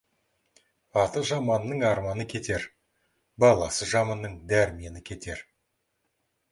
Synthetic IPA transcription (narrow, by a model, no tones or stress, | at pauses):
ɑt̪əʒɑmɑnːəɴɑɾmɑnəkʲʰe̞t̪e̞ɾ | bɑlˠɑ̰səʒɑmɑnːəɴd̪æɾɪme̞nɪkʲʰe̞t̪e̞ɾ